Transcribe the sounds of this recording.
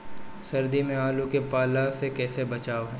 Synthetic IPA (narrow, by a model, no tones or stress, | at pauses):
sɐɾd̪imẽaːlũkepaːlasekɛːsebɐt͡ʃaːoɦɛː